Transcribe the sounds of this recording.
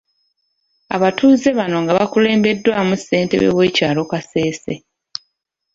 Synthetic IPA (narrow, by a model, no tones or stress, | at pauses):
a̰βatuːze̞βano̞ŋɡaβakule̞ːmbe̞dːwamusːe̞ːnte̞̰βḛwe̞ːcaːlo̞kase̞ːse